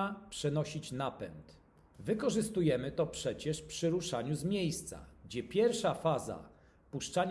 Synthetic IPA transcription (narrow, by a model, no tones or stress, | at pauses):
apʂɛnɔɕit͡ɕnapɛ̰nt̪ | vɘkɔʐɘst̪ujɛmɘt̪ɔpʂɛt͡ɕɛʂpʂɘɾuʂaɲuzmʲjejst̪sa̰ɡd͡ʑɛpʲjɛɾfʂafaza̰ | puʂt͡ʂaɲ